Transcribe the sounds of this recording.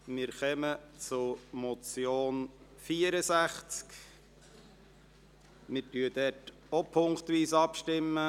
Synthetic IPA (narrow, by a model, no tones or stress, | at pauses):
mɪːɾχœmət͡sʊmɔt͡sjoːn | fiːəɾəsæχt͡sk | mɪɾtyːəd̥ɛt | opʰʊŋktʋiːsɑpʃtɪmːə